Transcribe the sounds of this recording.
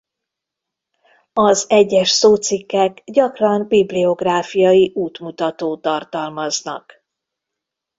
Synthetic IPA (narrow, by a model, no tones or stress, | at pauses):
ɒzɛɟːɛʃsoːt̪sikːɛɡɟɒkrɒnbiblio̞ɡraːfijɒjiʔuːt̪mut̪ɒt̪oːt̪ɒrt̪ɒlmɒznɒ̰k